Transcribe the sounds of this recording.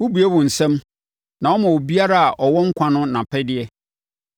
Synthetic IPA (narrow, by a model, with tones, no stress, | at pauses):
wu˦bu˨ɛ˦bʊ̃˨n̩˨sɛ̃˦m | nã˨wɔ˦mã˨wo˨bi˦a˦ɾa˦a˨ʔɔ˨wɔ˦ŋ̩˦kʷʰã˦nʊ̃˦nã˨pʰɛ˦dɪ˦ɛ˦